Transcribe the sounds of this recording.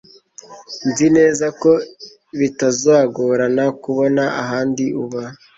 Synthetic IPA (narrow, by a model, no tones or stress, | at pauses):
nzine̞ːzako̞ | βitazaɡoɾanakuβonaaɦaːndiʔuβa